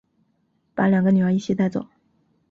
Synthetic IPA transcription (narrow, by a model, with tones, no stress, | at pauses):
pa˧˥ljɑ˨˩ŋɡə˧˦ny˨˩ə˧˥i˥˩ɕi˧˥t̪a˥˧ɪt͡swɔ̰˨˩˦